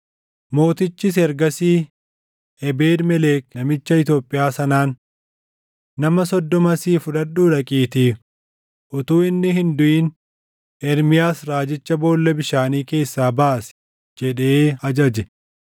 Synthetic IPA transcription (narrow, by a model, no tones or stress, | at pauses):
mo̞ːt̪ɪt͡ʃːɪs̬ɛɾɡɐsiː | ɛbeːd̪mɛleːknɐmɪt͡ʃːɐɪt̪̬jo̞ːpʼːɪjaːsɐnaːn | ɐmɐsɔd̪ːɔmɐsiːfʊᶑɐᶑːuːᶑɐkʼiːt̪iː | ʔʊt̪uːɪnːɪɦɪnd̪ʊʔiːn | ɛɾmɪjaːsɾaːd͡ʒɪt͡ʃːɐbo̞ːlːɛbɪʃaːniːke̞ːsːaːbaʔs | d͡ʒɛᶑeeːɐd͡ʒɐd͡ʒɛ